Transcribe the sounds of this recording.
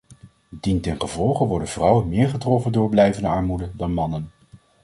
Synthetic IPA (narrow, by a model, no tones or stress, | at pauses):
dintɛnχəvɔlˠχəʋɔɹdənv̥rɑwənmɪːɹχətrɔfəndʊːɹblɛjvəndəɑɹmudədɑnmɑnən